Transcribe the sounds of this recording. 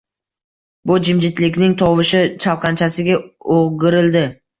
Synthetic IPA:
bʊd͡ʒɪmd͡ʒɪt̪lɪkʲnɪŋt̪ʰɒwɪʃɪt͡ʃʰalˠqʰɑnt͡ʃʰasɪɡʲaoɡɪɾɪld̪ɪ

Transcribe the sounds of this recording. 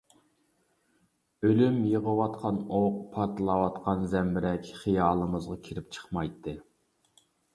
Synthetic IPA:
ølymjəʁəwɑt̪qʰɑnoqpʰɑɾt̪ʰɨlˠɑwɑt̪qʰɑnzɛmbɪɾɛkʲχijɑːlˠəmɨzʁɑkʲʰiɾɪp̚t͡ʃʰə̥χmɑjt̪ʰːɨ

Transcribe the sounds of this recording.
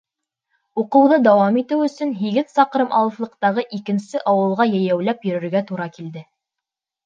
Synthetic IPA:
uqɤ̆wðɤd̪ɑwɑmit̪ɘwɵ̆sɵ̆nɦiɡɘðsɑqɾɤmʔɑ̰lˠɤ̆flˠɤ̆q̚t̪ɑʁɤʔikɘ̆nsɘʔɑwɤ̆lˠʁɑjæjæwl̪æpjɵ̆ɾɵ̆ɾɡæt̪uɾɑkild̪ɘ

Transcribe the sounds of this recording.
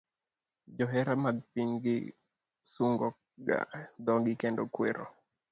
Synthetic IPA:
d͡ʒɔɦɛɾamaɡ̚piŋɡɪ̰ | suŋɡɔ | ɡa̰d̪ɔŋɡikendɔkweɾɔ̰

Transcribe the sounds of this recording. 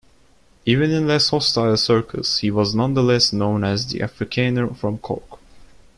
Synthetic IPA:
ivɨ̃nɨ̃nlɛshɔstaɪlˠsɜ˞kʰə̰shiwʌznʌ̃nðəlɛsnõʊ̃nɨzðḭʔæ̰fɹɨkʰæ̃nofɹʌ̃mkʰɔ̰k

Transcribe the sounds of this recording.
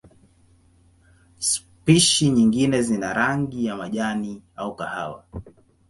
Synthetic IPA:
s | piʃiɲiŋɡinɛzinaɾaŋɡijamaʄaniaukaha̰wa̰

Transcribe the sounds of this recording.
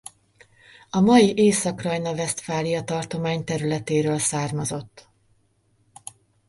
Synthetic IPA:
ɒmɒjiʔeːsɒkrɒjnɒvɛst̪faːlijɒt̪ɒrt̪o̞maːɲt̪ɛɾylɛt̪eːɾøːlsaːrmɒzo̞t̪ː

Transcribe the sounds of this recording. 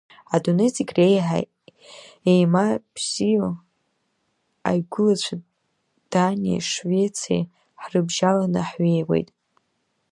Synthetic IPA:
adonet͡sʼikʲrejħa̰ | ejmabz̥ijo | a̰jɡʷʊlat͡ɕʷʰa | d̥anʲia̰ʂvet͡sʰḛj | ħrɨbʒalanɨħɥejwe̞̰jtʼ

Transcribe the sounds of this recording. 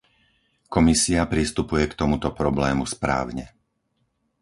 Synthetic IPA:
kɔmisiapɾist̪upujɛkt̪ɔmut̪ɔpɾɔblɛːmuspɾa̰ːʊɲɛ

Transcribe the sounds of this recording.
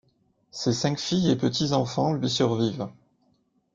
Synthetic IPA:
sesɛ̃kfijepət̪ʰizɑ̃fɑ̃lɥisyʁviv

